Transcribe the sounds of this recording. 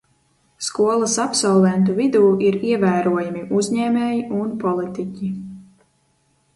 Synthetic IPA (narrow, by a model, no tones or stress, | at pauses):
skuɔlˠasapsɔlˠvɛnt̪̬uvid̪uːiɾiɛvæːɾuɔjamiʔuzʲɲɛːmʲɛːjiunpɔlˠit̪icʲi